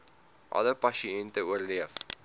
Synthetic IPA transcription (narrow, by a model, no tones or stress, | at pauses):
ʔɐ̰ləpɐʃiɛntəuərliəf